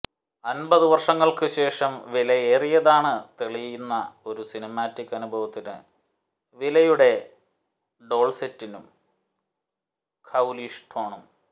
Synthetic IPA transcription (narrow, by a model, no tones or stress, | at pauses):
ɐnbɐðɨʋɐrʂɐŋːɐɭkɨɕe̞ːʂɐmʋilɐjeːrijɐðaːɳɨt̪eɭijjunːɐ̰o̞ɾusinɐmaːtːikʲːɐnubʱɐʋɐt̪ːinɨ̰ | ʋilɐjuɽe̞ | ɖo̞ːɭsetːinum | kʰɐwliʂʈʰoːɳum